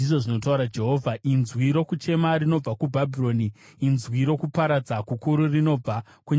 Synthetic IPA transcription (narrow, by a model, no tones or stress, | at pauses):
iʐo̞ʐino̞t̬auɾad͡ʒe̞ɦo̞vʱaʔinzwiɾo̞kut͡ʃe̞maɾino̞b͡vakubʱabʱiro̞niː | nzwiɾo̞kupaɾad͡zakukuɾurino̞b͡va | ku